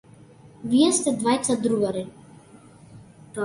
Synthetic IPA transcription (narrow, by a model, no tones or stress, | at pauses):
viɛst̪ɛd̪vajt̪sad̪ɾuɡaɾi | t̪